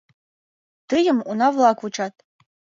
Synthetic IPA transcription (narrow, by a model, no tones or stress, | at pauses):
t̪ɨjəmunɑvlˠɑkut͡ʃɑt̪̚